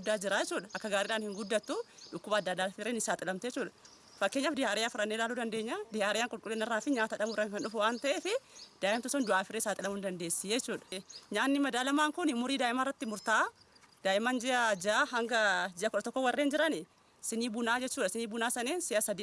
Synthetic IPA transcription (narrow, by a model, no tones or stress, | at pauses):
d̪ːaːd͡ʒɪɾaːjd͡ʒɛt͡ʃːuːᶑɐʔɐkːɐɡaːɾiːᶑaːnhɪŋɡʊd̪ːɐt̪ːuᶑʊkːʊbɐːd̪ːɐd̪ːaːfɪreːnɪsaːt̪ʼɪlɐmt̪ːɛt͡ʃːuːᶑɐ̥ | fɐkːeɲːaːfd̪ɪhaːɾɪjaːfɪɾɐnːeːlaːluːd̪ɐnd̪e̞ːɲːaːd̪ɪhaːɾɪjaːŋkʼʊlkʼʊlːeːnɛrːaːfɪɲaːt̪ɐᶑɐbʊɾɐŋkɐnᶑʊfʊwaːnt̪ɐʔeːfɪd̪̥aːʔɪmt̪ʊsɔnd̪ʊʔaːfɪrːeːsaːt̪ʼɪlɐmʊnd̪ɐnd̪e̞ːsːɪjɛɛt͡ʃːuːᶑɐ̥ɲaːnːɪmɐd̪aːlɐmaːŋkʊnɪmʊɾiːd̪aːʔɪmarːɐt̪ːɪmʊɾt̪aː | d̪̥aːʔɪmand͡ʒɛʔɐd͡ʒaɦɐŋɡɐd͡ʒɪʔɐkʊᶑɐt̪ɔkːɔwɐrːeːnd͡ʒɪɾɐnɪ | sɪniːbʊnaːd͡ʒɛt͡ʃːuːᶑɐsɪniːbʊnaːsɐneːnsɪʔɐsɐd̪iː